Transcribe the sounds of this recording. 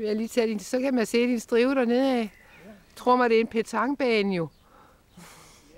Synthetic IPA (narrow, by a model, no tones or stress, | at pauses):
ʋejaliːt͡sʰæd̥insɒ̽kʰæmænse̝̰ːd̥insd̥ʁiʊəɾ̥ɑne̝ð̰ˠɛ | t͡sʰʁo̝ɐ̰mɑd̥e̝e̝npʰet͡sʰɑ̈ŋb̥ɛːnjo̝